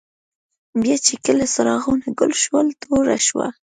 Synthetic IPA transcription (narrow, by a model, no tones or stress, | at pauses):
bjɑt͡ʃekəlasaɾɑɣonaɡʊlʃwəlt̪ʰoɾa̰ʃwa̰